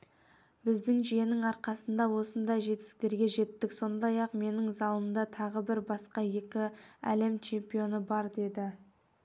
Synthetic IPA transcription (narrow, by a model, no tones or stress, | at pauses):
bɪzd̪ɪŋʒije̞nɪŋɑɾqɑsənd̪ɑwo̞sənd̪ɑjʒe̞t̪ɪ̥sɪ̥k̚t̪e̞ɾɡʲe̞ʒe̞t̪ːɪkso̞nd̪ɑjɑqme̞nɪŋzɑlˠəmd̪ɑt̪ʰɑʁəbɪɾbɑsqɑje̞kʲɪæ̰le̞mt͡ʃʰe̞mpijo̞nəbɑɾd̪e̞d̪ɪ